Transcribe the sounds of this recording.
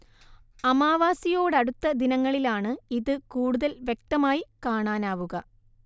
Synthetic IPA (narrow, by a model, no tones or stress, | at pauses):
ɐmaːʋaːsijoːɽɐɽut̪ːɐd̪inɐŋːɐɭilaːɳɨiðɨkuːɽuðɐlʋje̞k̚t̪ɐmaːjikaːɳaːnaːʋuɣɐ